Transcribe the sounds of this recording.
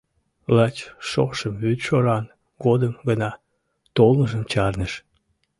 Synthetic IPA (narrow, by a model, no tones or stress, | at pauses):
lɑt͡ɕʃo̰qʃəmβyt̪ʃoɾɑn | ɡod̪əmɡənɑ | t̪olnəʒəmt͡ɕɑrnəʃ